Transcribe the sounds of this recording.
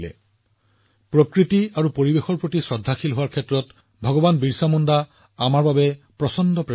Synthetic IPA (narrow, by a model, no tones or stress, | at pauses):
lɛ̰ | pɹokɹitiaɹupoɹibexɔɹpɹotisɹɔdʱːaxilɦoaɹkʰɛtɹɔt | bʱɔɡɔbanbiɹsamɔnda | amaɹbabɛ | pɹɔsɔndɔpɹɛ